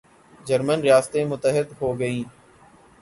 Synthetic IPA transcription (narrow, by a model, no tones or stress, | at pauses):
d͡ʒəɾmənɾɪjaːst̪emʊt̪əɦɪd̪ɦoːɡəĩː